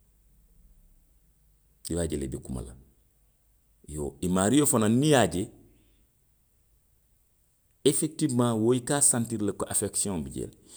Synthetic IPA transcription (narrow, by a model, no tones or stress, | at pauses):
iwaːɟelḛbikuma̰la̰ | jo̰ːimaːɾijofananːijaɟe | efek̚tivmãːwoːikaːsãntiɾlɐkoʔafeksiõbiɟḛl